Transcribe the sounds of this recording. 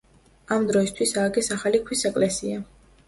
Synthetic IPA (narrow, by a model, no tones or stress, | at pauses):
amd̪ɾɔist̪ʰwisaːɡɛsaχalikʰwisɛkʼlɛsia